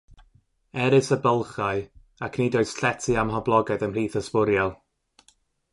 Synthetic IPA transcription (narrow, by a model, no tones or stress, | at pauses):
ɛɾɨsəbəlˠχaɨ | akʰnidɔɨsɬɛtʰɨamɦɔblˠɔɡɛdənr̥iːθəspʊɾjɔlˠ